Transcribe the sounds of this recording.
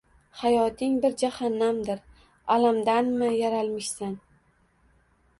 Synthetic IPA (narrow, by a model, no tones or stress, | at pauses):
hajɒt̪ʰɪŋbɪɾd͡ʒahanːamd̪ɪɾ | alamd̪anmɪjaɾalˠmɪʃsan